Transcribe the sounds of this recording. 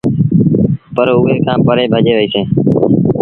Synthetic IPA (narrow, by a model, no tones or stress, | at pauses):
pəɾuːʋeːkãːpəɾeːbʱəd͡ʒeːʋəiːsẽː